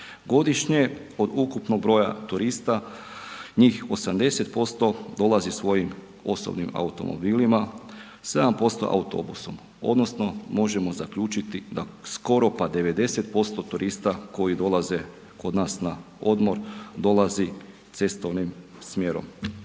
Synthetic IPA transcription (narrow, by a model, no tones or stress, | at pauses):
ɡo̞d̪iʃɲe̞ | o̞d̪ukupno̞ɡ̚bɾo̞ja̰t̪uɾist̪a | ɲiːxo̞samd̪e̞set̪po̞st̪o̞d̪o̞lˠazisʋo̞jim | o̞so̰bnima̰ut̪o̞̰mo̰biːlima | se̞d̪ampo̞st̪o̞̰ʔa̰ut̪o̞̰buso̞m | o̞̰d̪no̞sno̞mo̞ʒe̞mo̞zakʎuːt͡ʃit̪id̪asko̞ɾo̞pad̪e̞ʋe̞d̪e̞set̪̚po̞st̪o̞t̪uɾʔist̪ako̞jid̪o̞lˠaze̞ | ko̞d̪naːsna | o̞d̪mo̞ɾd̪o̞lazi | t̪se̞st̪o̞ʋnim | smje̞ɾo̰m